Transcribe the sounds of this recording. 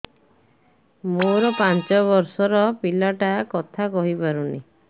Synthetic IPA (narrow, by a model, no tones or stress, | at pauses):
moɾɔpant͡ʃɔβɔɾsɔɾɔpilaʈakɔt̪ʰakɔɦipaɾunḭ